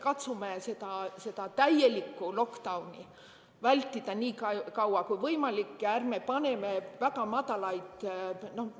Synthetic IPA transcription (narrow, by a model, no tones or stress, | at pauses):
kɑt̪sumese̞d̪ɑse̞d̪ɑt̪æjelikːulo̞kd̪̥ɑwnḭ | vælʲt̪ːˑid̪̥ɑniːkkɑwɑkujvɤjmɑlikːærme̞pɑne̞mevæɡ̥ɑmɑd̪ɑlɑjd̪̥no̞h